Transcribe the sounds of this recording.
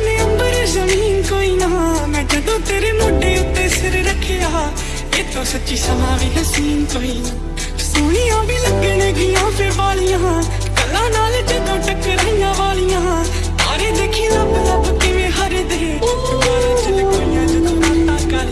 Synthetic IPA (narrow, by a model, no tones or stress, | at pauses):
nẽːəmbəɾezəmiːnkoːiːnəɦãːmɛ̃ːd͡ʒəd̪õːt̪eːɾeːmoɖːeːʊt̪ːeːsɪɾɾəkʰːeːaː | eːt̪õːsətːʃiːsəmãːʋiːɦəsiːnkoːiːãː | soːɽ̃ijãːbiːləɡeːneːɡɪjãːpʰɪɾbaːlijãːɦã | kəlːãːnaːled͡ʒəd̪õːʈəkːeɾəɦijãːʋaːlijãːɦ | aːɾeːd̪eːkʰiːãːpɪlãːbət̪ːeːʋẽːɦaɾeːd̪eɦeː | ijãːd͡ʒ